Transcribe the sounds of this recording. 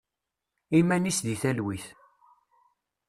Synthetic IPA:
imænisðiθælwiθ

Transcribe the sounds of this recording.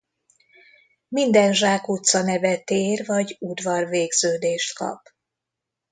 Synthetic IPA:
mind̪ɛnʒaːkut̪sɒnɛvɛt̪eːrvɒɟud̪vɒrveːɡz̥øːd̪eːʃt̪kɒ̰p

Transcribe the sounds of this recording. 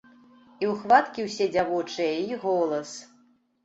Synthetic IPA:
iwxvat̪kʲiwsʲɛd͡zʲavɔt͡ʂɨjɐiɣɔlˠɐs

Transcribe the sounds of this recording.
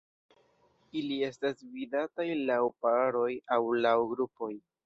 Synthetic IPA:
ilie̞stasvidatajlawpaɾo̞jawlawɡɾupo̞j

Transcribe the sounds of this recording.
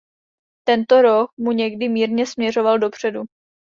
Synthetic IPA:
t̪ɛnt̪o̞ɾo̞k̚muɲɛɡdɪmiːɾɲɛsmɲɛro̞valdo̞pr̝̥ɛdu

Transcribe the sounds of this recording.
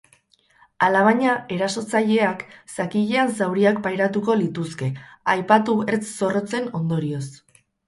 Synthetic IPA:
alaβaɲae̞ɾaso̞t͡saʎe̞aksakiʎeansawɾiak̚pajɾat̪uko̞lit̪uske̞ajpat̪ueɾt͡sso̞ro̞t͡se̞no̞nd̪o̞ɾio̞s

